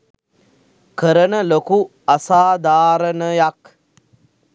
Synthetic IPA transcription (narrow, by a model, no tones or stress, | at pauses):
kəɾənəloku | asaːd̪ʱaːɾənəjak